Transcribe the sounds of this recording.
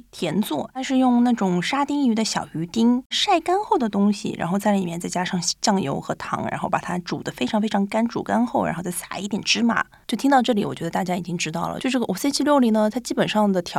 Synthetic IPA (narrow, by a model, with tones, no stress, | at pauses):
t̪ʰjɛ˧˥nt͡swɔ˥˩t̪a˥˧nʂɻ̩˥˧jʊ˥˧ŋna˥˩ʈ͡ʂʊ˨˩ŋʂa˥t̪i˥ŋy˧˥d̪ə˧ɕjɑ̰˨˩ʊy˧˥t̪i˥ŋʂa˥˩ɪka˥nxo˥˩ʊd̪ə˩t̪ʊ˥ŋɕḭ˨ɻa̰˧˥nxo˥˧ʊt͡sa˥˩ɪli˨˩mjɛ˥˧nt͡sa˥˩ɪt͡ɕja˥ʂɑ˥˧ŋt͡ɕjɑ˥˩ŋjo̰˧˥ʊxɤ˧˥t̪ʰɑ̰˧˥ŋɻa̰˧˥nxo˥˩ʊpa˨˩t̪ʰa˥ʈ͡ʂṵ˨˩d̪ə˦fe˥ɪʈ͡ʂʰɑ˧˥ŋfe˥ɪʈ͡ʂʰɑ˧˥ŋka˥nʈ͡ʂṵ˨˩ka˥nxo˥˩ʊɻa̰˧˥xo˥˧ʊt͡sa˥˩sḁ̰˨˩˦ḭ˧˥˩t̪jɛ˨˩nʈ͡ʂɻ̩˥ma̰˨˩t͡ɕjo˥˩ʊt̪ʰi˥ŋt̪ɑ˥˧ʊʈ͡ʂɤ˥˩li˧˥wɔ˨˩t͡ɕɥɛ˧˥d̪ə˧t̪a˥˩t͡ɕja˥i˨˩t͡ɕi˥ŋʈ͡ʂɻ̩˥t̪ɑ˥˩ʊlə̰˩t͡ɕo˥˧ʊʂʈ͡ʂɡə˩ʔɔ˨˩sə˥t͡ɕʰi˥˧ljo˥˧ʊli˥˩nə˧t̪ʰa˥t͡ɕi˥pə˨˩nʂɑ˥˩ŋd̪ə˩t̪ʰjɑ˧˥